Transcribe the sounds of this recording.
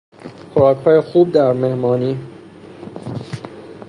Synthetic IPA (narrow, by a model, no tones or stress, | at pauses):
xʰoɾɒːkʰhɒːjexuːb̚d̪æɾme̞hmɒːniː